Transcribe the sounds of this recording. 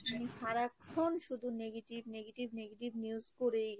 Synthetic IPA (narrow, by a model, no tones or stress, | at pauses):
amiʃaɾakʰonʃud̪ʱuneɡeʈibneɡeʈibneɡeʈibniuzkoɾej